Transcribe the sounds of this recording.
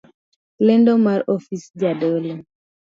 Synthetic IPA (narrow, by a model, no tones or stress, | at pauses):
lendomaɾɔfisd͡ʒadolo